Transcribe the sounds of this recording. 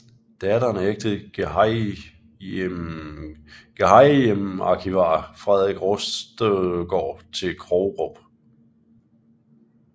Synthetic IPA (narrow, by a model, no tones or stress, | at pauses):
d̥æd̥ɐnəeɡ̥̚d̥ð̩̥ˠ | ɡ̥ehɑɪemɑ̈ːkʰiʋɑ̰̈ːfʁɛðˠʁeɡ̥ʁosd̥ɡ̥ɒ̰ːt͡sʰe̝lkʰʁɔʊʁob̥